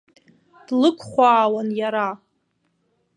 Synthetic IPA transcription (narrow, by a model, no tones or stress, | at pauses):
d̥lɨkʷʰχʷaːwanjaɾa